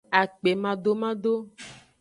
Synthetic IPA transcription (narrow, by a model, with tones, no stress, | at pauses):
a˨k͡pe˨mã˨ɖo˦mã˦ɖo˦